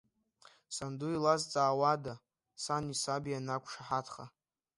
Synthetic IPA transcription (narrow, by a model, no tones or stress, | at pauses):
sanduilazt͡sʼaːwada | sanisabianakʷʰʼʂaħatʰχa